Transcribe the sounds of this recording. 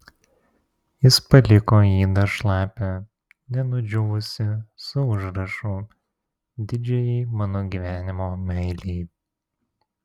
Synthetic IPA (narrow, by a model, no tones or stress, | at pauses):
jɪspɐlʲɪkoːjiːd̪ɐʃlˠɑːpʲɛ | nʲɛnʊd͡ʒʲʊʋʊsʲɪsʊʊʒɾɐʃuː | d̪ʲɪd͡ʒʲɛjɛːmɑːnoːɡʲiːʋʲæːnʲɪmoːmʲɛɪlʲiː